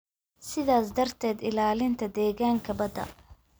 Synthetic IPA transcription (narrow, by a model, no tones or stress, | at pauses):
sɪðaːsd̪ɐrt̪ʰɛːd̪ɪlaːlɪnt̪ʰɐd̪ɛːɣaːŋkʰɐbɐd̪ɐ̰